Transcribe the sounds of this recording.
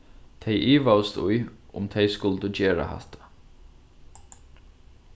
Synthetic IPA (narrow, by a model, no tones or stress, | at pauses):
t̪ʰɛjʔiːʋawst̪ʊjʊ̰mt̪ʰɛjskʊlt̪əd͡ʒeːɹa̰ha̰ht̪ʰḁ